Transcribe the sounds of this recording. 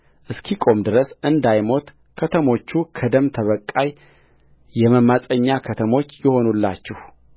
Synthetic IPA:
ʔɨskʰikʼo̞md̪ɨɾəsɨnd̪ajmo̞t̪ | kʰət̪ʰəmo̞t͡ʃːukʰəd̪əmt̪ʰəβəkʼːaj | jɛməmasʼəɲːakʰət̪ʰəmo̞t͡ʃːjɪho̞nulːa̰t͡ʃːɛh

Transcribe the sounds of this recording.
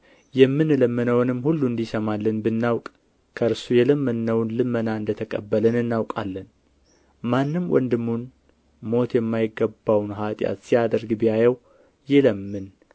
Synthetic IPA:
jɛmːɨnləmːənəwnɨmːhulːuɨnd̪isəmalːənbɨnːawkʼ | kʰəɾsujɛləmːənːəwnlɨmːənaɨnd̪ət̪ʰəkʼəbːələnɨnːawkʼalːən | manːɨmwʔɔ̰nd̪ɨmːun | mo̞t̪jɛmːajɪɡːəbawnɦat̪ʼja̰t̪sijad̪əɾɡbɨjajɛw | jɪləmːɨn

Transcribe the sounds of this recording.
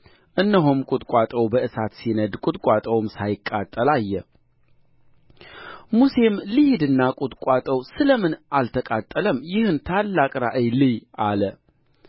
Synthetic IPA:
ʔɨnːəɦomkʼʊt̪ʼkʷʼat̪ʼəwbəɨsat̪sinəd̪kʼʊt̪ʼkʷʼat̪ʼəwmsajɪkʼːat̪ʼːəlajːɛ | muse̞mlɨhɪd̪ɨnːakʼut̪ʼkʷʼwat̪ʼəwsɨləmɨnʔalt̪ʰəkʼat̪ʼːələmjɪhɨnt̪ʰalːakʼɾaʔəjlɨjalə

